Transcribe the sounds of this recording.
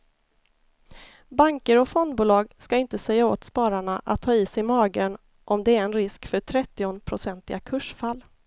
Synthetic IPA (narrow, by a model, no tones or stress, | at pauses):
baŋkəɾɔfɔnd̪̚buːlɑːɡskaɪnt̪əsɛjːao̰ːt̪spɑːɾaɳaʔa̰t̪ʰːɑːiːsɛɪmɑːɡən | ʔɔmd̪ɛæɾɛnɾɪskfœʈʰɾɛt̪ːɪʊnpʰɾʊsɛnt̪ɪɡakʰɵʂfalː